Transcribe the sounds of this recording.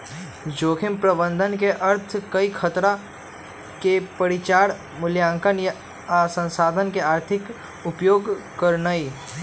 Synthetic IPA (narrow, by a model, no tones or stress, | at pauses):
d͡ʒoːkʰɪmpɾəbə̃nd̪ʱənkeʔɐɾt̪ʰkɐikʰət̪ɾa | kepəɽɪt͡ʃaːɽ | mʊljãːŋkənj | asə̃nsaːd̪ʱənkeaːɾt̪ʰɪk | ʊpjoːɡkəɾnai